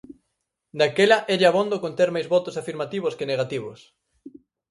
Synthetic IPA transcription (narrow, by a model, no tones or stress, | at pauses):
d̪akelɐʔeʎaβond̪okont̪eɾmajzβɔt̪ʊsafiɾmat̪iβ̞ʊskɪneɣat̪iβʊs